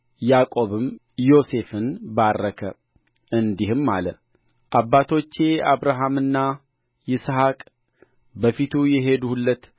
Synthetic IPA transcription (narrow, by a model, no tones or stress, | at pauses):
jakʼo̞βɨm | jo̞se̞fɨnbarːəkʰə | ʔɨnd̪ihɨmːalə | ʔabːat̪ʰo̞t͡ʃːe̞aβɾaɦamɨnːa | jɪsɦakʼ | bəfit̪ʰujɛɦed̪uhulːət̪